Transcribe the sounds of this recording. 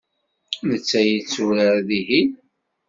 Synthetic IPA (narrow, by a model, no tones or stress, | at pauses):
nət͡sːæjət͡sːuɾəɾðiɦi